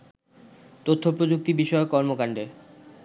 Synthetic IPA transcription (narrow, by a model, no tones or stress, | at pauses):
t̪ot̪ʰːopɾod͡ʑuk̚t̪ibiʃɔekɔɾmokaɳɖe